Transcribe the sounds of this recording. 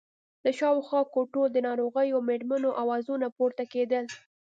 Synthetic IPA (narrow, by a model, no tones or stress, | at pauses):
d̪əʃɑwxwɑkoʈod̪ənɑɾoɣəjomeɾmanoʔawɑzunapoɾt̪aked̪əl